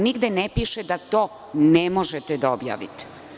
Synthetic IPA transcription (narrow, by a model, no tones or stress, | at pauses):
niɡd̪enepiʃed̪at̪o̞ː | nemo̞ʒet̪ed̪aobja̰ːʋḭt̪e̥